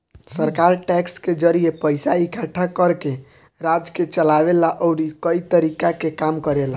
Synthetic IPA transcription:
səɾkaɾʈɛksked͡ʒəɾiepəɪsaikʰaʈʰakəɾke | ɾad͡ʒket͡ʃəlabelaʔɔʊɾikəit̪əɾikakekamkəɾela

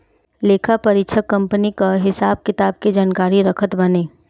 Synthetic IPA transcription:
leːkʰapɐɾɪtʃʰəkːɐ̃mpənikaɦɪsaːb̚kɪt̪aːb̚ked͡ʒaːnkaːɾiɾɐkʰət̪bɐneː

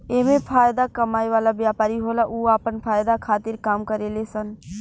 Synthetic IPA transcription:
eːmẽpʰaːjd̪akəmaːiʋaːlabjaːpaːɾiɦoːlaʔuːaːpənpʰaːjd̪akʰaːt̪ɪɾkaːmkəɾeːlesən

